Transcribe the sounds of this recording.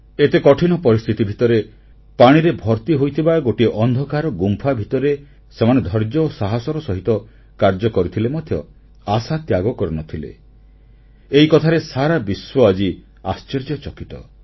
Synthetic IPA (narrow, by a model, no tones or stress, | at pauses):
et̪ekɔʈʰinɔpɔɾist̪ʰit̪ibʱit̪ɔɾe | paɽ̃iɾebʱɔɾt̪iɦojt̪ʰibaɡoʈiʔɔnd̪ʱɔkaɾɔɡumpʰabʱit̪ɔɾe | semaned̪ʱɔɾd͡ʒɔːsaɦasɔɾɔsɔɦit̪ɔ | kaɾd͡ʒɔkɔɾit̪ʰilemɔd̪ʱjɔ | asat̪jaɡɔkɔɾɔnɔt̪ʰilḛ | eikɔt̪ʰaɾesaɾabiswɔad͡ʒi | ast͡ʃeɾd͡ʒjɔt͡ʃɔkit̪ɔ̰